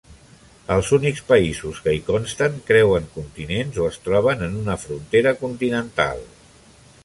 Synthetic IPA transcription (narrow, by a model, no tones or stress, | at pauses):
əlˠzunikspəizuskəikɔnst̪əŋkɾɛwəŋkunt̪inenzoəst̪ɾɔβ̞ənənunəfɾunt̪eɾəkunt̪inənt̪a̰lˠ